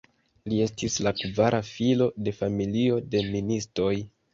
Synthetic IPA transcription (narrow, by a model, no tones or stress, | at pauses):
lie̞stislakvaɾʔafilo̞de̞familio̞de̞ministɾo̞j